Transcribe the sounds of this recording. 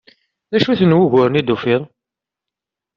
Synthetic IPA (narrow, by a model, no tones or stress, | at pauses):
ðæʃuθənwʊʝʊɾənid̪ufiðˤ